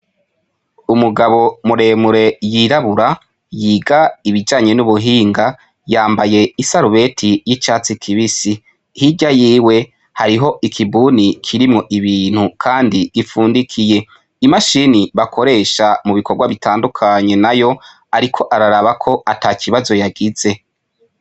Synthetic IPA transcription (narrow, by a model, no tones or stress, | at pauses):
umuɡaβo̞muɾe̞ːmuɾe̞jiɾaβuɾa | jiːɡaiβid͡ʒaːɲe̞nuβuɦiːŋɡa | jaːmbaje̞isaɾuβe̞tʰijit͡ʃaːt͡sikʰiβisi | hiɟajiːwe̞ | haɾiɦo̞ʔikʰibuːnikʰiɾimŋo̞ʔiβiːn̥hukʰaːndiɡifuːndikʰije̞ | imaʃiniβakʰo̞ɾe̞ːʃamuβikʰoɾɡwaβitaːndukʰaɲe̞najo̞ | aɾikʰo̞ʔaɾaɾaβakʰo̞ataːkʰiβazo̞jaɡiz̥e̞